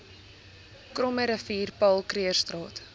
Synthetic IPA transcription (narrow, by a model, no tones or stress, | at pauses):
krɔməɾəfiːrpɐlˠkɾiərstrɑːt